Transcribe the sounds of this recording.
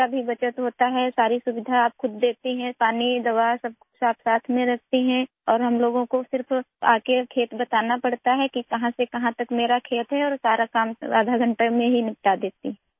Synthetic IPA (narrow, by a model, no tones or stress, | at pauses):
kabʱibɐt͡ʃət̪ɦoːt̪aɦɛsaːɾisʊʋɪd̪ʱaaːp̚xʊd̪ːeːt̪iɦɛ̃paːnid̪ɐʋasɐb̚ | saːpʰsaːt̪ʰmẽɾɐɦt̪iɦɛ̃ | ɔːɾɦɐmloːɡõkosɪɾfa̰ːkekʰeːt̪bɐt̪aːnapɐɽt̪aɦɛkikɐɦãsekɐɦãt̪ɐkmeːɾakʰeːt̪ɦɛɔːɾsaːɾakaːmaːd̪ʱaɡʱɐ̃ɳʈəmẽɦinɪp̚ʈad̪eːt̪iɦɛ̃ː